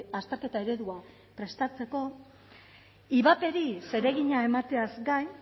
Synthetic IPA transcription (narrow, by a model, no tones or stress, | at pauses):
ast̪e̞ɾke̞t̪ae̞ɾe̞ðua | pɾe̞st̪at͡se̞ko̞ | iβape̞ɾise̞ɾe̞ɣiɲae̞mat̪e̞azɡaj